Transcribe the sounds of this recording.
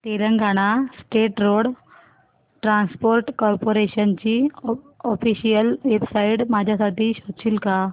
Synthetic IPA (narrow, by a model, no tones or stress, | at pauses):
t̪eɾəŋɡʱaɽ̃asʈeʈɾoɽ | ʈɾãnspoɾʈkɔɾpoɾeɕənt͡ɕiː | ɔfiɕijəlʋebsaiɽmad͡ʑʱjasaʈiːɕot͡ɕiːlka